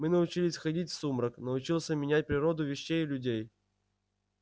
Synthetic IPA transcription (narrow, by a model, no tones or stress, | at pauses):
mɨnəʊt͡ɕilʲɪsʲxɐdʲitʲfsumɾəknəʊt͡ɕilˠsʲəmʲɪnʲæt̚ʲpɾʲɪɾo̞d̪ʊvʲɪɕːejɪlʲʉdʲej